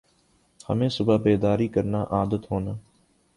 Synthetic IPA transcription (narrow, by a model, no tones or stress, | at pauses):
hə̰mẽːsʊbaːbeːd̪aːɾiːkəɾnaːʔaːd̪ət̪ɦoːnaː